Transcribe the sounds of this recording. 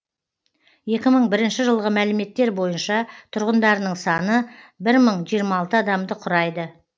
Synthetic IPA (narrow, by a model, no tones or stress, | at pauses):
je̞kʲɪməɴbɪɾɪnʃɪʒəlˠʁəmælɪme̞t̪ːe̞ɾbo̞jənʃɑt̪ʰʊɾʁənd̪ɑɾənəɴsɑnəbɪɾməɴʒijəɾmɑɑːlˠt̪əɑd̪ɑmd̪əqʰʊɾɑjd̪ə